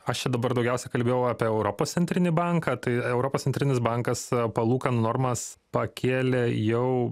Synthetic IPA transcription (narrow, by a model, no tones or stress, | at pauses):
ɐʃt͡ʃʲɛd̪ɐbɐɾd̪ɒʊɡʲɛˑʊsʲɛkɐlʲbʲeːjɛʊɑːpʲiɛɛʊɾoːpoːst̪sʲɛnʲt̪ɾʲɪnʲɪbɑŋkɐːt̪ɐɪɛʊɾoːpossʲɛnt̪ʲɾʲɪnʲɪsbɐŋkɐspɐlˠuːkɐnnoːrmɐs | pɐkʲeːlʲejɛʊ